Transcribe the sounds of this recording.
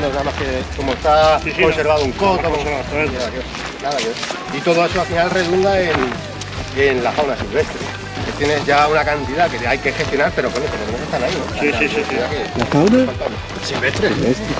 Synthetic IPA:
nonaðamaskekomoest̪aose̞ɾβaðouŋkot̪okoenaðakeo | enaðake | it̪oð̞oe̞soafinalrenund̪aen | enlafawnasilβe̞st̪ɾḛ | ket̪jene̞zʝaunakant̪iðakeajke̞xe̞st̪jo̞naɾpe̞ɾokwonok̪enenemoskest̪anailoaiiakelakawnafant̪ane | silβest̪ɾeest̪ɾe

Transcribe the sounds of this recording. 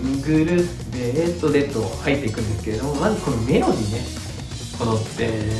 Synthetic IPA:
ɯɡɯ̟ɾɯ̟ | d̪e̞et̪o̞d̪e̞t̪ːohait̪ːe̞ikɯ̟̃nd̪esɨ̥kee̞d̪o̞mo̞mazɨko̞nome̞no̞ɲʲine̞ | kʰo̞not̪ːe̞

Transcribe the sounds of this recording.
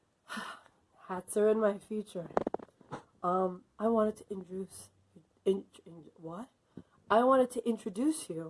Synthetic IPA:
h | hætsə˞ɨ̃nmaɪfjʉt͡ʃə˞ | ʌ̃mʔaɪwɑ̃ɾ̃ɨd̚tʰɨʔɪ̃nt͡ʃɹ̥dʉs | ɪ̃nnwʌt̚ | ʔaɪwɑ̃ɾ̃ɨd̚tʰɨʔɪ̃ntt͡ʃɹ̥ɨdʉsjʉ

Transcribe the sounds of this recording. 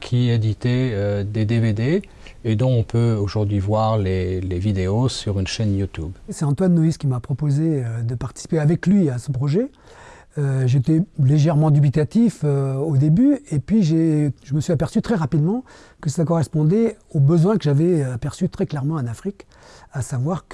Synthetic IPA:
kʲʰied̪it̪ɛød̪ed̪eved̪e | ed̪ɔ̃ːpøoʒuʁd̪ɥivwaʁlelevid̪eosyʁynʃɛnjut̪ubsɛɑ̃t̪wanːɔiskʲimapχɔpozeød̪əpaʁt̪i̥si̥peavɛklɥiasɔ̃pχɔʒɛ | øʒet̪ɛleʒɛʁmɑ̃d̪ybit̪at̪iføod̪ebyepɥiʒeʒəməsɥiapɛʁsyt̪χɛʁapid̪mɑ̃ | kəsəlakɔʁɛspɔ̃d̪ɛ | obəzwɛ̃kəʒavɛapɛʁsyt̪χɛklɛʁmɑ̃anafχik | asavwaʁk

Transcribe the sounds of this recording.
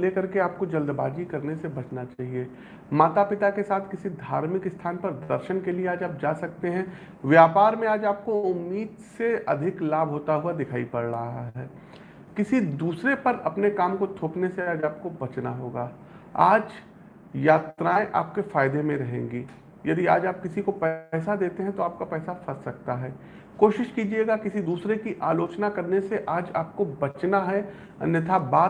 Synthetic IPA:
lekɐɾkeaːp̚kod͡ʒɐld̪baːd͡ʒikɐɾnesebɐt͡ʃnat͡ʃaːɦie | maːt̪apɪt̪akesaːt̪ʰkɪsid̪ʱaːɾmɪkɪst̪ʰaːnpɐɾd̪əɾʃənkelieaːd͡ʒaːp̚d͡ʒaːsɐk̚t̪eɦɛ̃ | ʋjaːpaːɾmẽaːd͡ʒaːp̚koʊmːiːd̪seɐ̰d̪ʱɪklaːbʱɦoːt̪aɦuad̪ɪkʰaːipɐɽɾɐɦaɦɦɛː | kɪsid̪uːsɾepɐɾɐpnekaːmkot̪ʰoːpneseaːd͡ʒaːp̚kobɐt͡ʃnaɦoːɡaː | a̰ːd͡ʒ | jaːt̪ɾaːẽʔa̰ːp̚kefaːɪd̪emẽɾɐɦḛ̃ːŋɡiː | jɐd̪ia̰ːd͡ʒaːp̚kɪsikopɛːsad̪eːt̪eɦɛ̃t̪oaːp̚kapɛːsafɐssɐkt̪aɦɛː | koːʃɪʃkiːd͡ʒieːɡakɪsid̪uːsɾekiʔaːloːt͡ʃnakɐɾneseʔaːd͡ʒaːp̚kobɐt͡ʃnaɦɛ | ɐ̰nət̪ʰabaː

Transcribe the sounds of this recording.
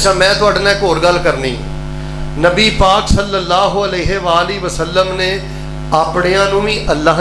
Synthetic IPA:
t͡ʃʰãːmɛ̃ːt̪ʊaːɖnɛ̃ːkoːɾɡəlkəɾnḭ̃ː | nəbiːpaːksəlːəlːaːɦoːəleːɦeːʋaːliːʋəsəlːəmneː | aːpɳeːãːnũːʋĩːʔəlːaː

